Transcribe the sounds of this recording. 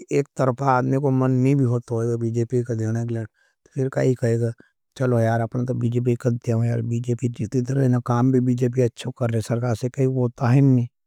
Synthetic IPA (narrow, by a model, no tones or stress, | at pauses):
eːk̚t̪ɐɾpʰaːd̪mikomənːĩbʱiɦoːt̪aɦoeːɡabiːd͡ʒeːpikad̪eːñakleːɽ | t̪opʰɪɾka̰ikɐeːɡa | t͡ʃɐlojaːɾɐpnat̪obiːd͡ʒeːp̬ikɐd̪t̪jaõja̰ːɾbiːd͡ʒeːpid͡ʒiːt̪it̪ɾenakaːmbʱibiːd͡ʒeːp̬iɐtːʃʰokɐɾːsɐɾkaːɾsekɐiɦoːt̪aɦɛnːĩː